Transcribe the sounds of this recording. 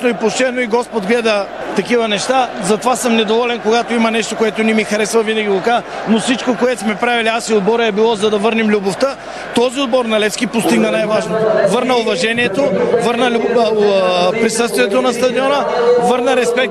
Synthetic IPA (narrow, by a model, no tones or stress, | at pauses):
noipoʃt̪ɛɛnoiɡɔspod̪ɡlɛd̪ə | t̪ɐkivɐnɛʃt̪azɐt̪ovasəmnɛd̪ovɔlɛnkoɡat̪oimɐnɛʃt̪okoɛt̪onɛmixɐɾɛsvɐvinɐɡʲilˠokanofsit͡ʃkokoɛt̪o̥smɛpɾaviliasiod̪bɔɾɛbilˠɔzɐd̪ɐvɤɾnimlʲuboft̪ə | t̪ɔziod̪bɔɾnɐlɛfskipost̪iɡnɐnajvaʒnovɤɾnəʊvɐʒɛniɛt̪ovəɾnəlʲu | pɾisɤst̪viɛt̪onɐst̪ɐd̪iɔnəvɤɾnəɾɛspɛk̪̚